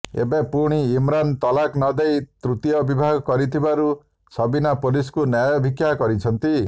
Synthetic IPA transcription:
ḛbepuɽ̃iːmɾant̪ɔlaknɔd̪ejt̪ɾut̪ijɔbibʱaɡɔkɔɾit̪ʰibaɾu | sɔbinapoliskunjajɔbʱikjakɔɾit͡ʃʰɔnt̪i

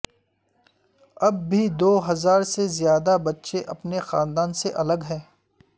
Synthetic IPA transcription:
ɐbːʱid̪oːɦɐzaːɾsezjaːd̪abɐtːʃeʔɐpnexãːnd̪aːnseʔɐləɡɦɛ̃ː

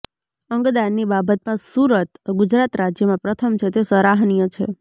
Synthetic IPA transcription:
əŋɡd̪anːibabət̪mãsuɾət̪ɡʊd͡ʒɾat̪ɾad͡ʒjəmãpɾət̪ʰəmt͡ʃʰet̪esəɾaɦnijət͡ʃʰḛ

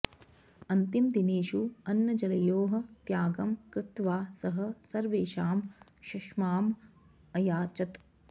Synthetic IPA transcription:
ɐnt̪imd̪ineːʃuɐnjɐd͡ʒɐlɐjoːɦɐ̆t̪jaːɡɐmkɾɪt̪ʋaːsɐɦɐ̆sɐɾʋeːʃaːmʃɐʃmaːm | ɐjaːt͡ʃɐt̪

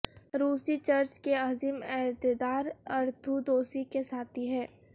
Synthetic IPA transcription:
ɾuːsit͡ʃɐɾt͡ʃkeaːzimɛːt̪ed̪aːɾɐɾt̪ʰud̪oːsikesaːt̪ʰiɦɛː

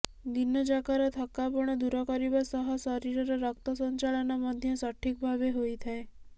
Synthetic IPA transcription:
d̪inːəd͡ʒakaɾat̪ʰəkːapɔɳ̃ed̪uɾɔkɔɾiʋasəɦəsəɾiɾəɾɔɾək̚t̪əsəɲt͡ʃalənaməd̪ʱjəsəʈʰːik̚bʱabeɦoit̪ʰae

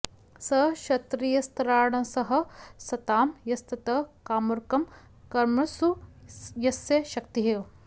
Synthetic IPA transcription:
sɐʃɐt̪ɾijɐst̪ɐɾaːɳɐsɐɦɐ̆sɐt̪aːmjɐst̪ɐt̪ɐkaːmuɾkɐm | kɐɾmɐsujɐsjɐʃɐkt̪iɦe

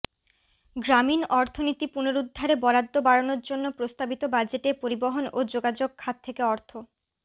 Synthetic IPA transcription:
ɡɾaminɔɾt̪ʰonit̪ipunoɾud̪ʱːaɾebɔɾad̪ːobaɽonoɾd͡ʑonːopɾost̪abit̪obad͡ʑeʈepoɾiboɦonod͡ʑoɡad͡ʑoɡ̚kʰːad̪̚t̪ʰekeɔɾt̪ʰo

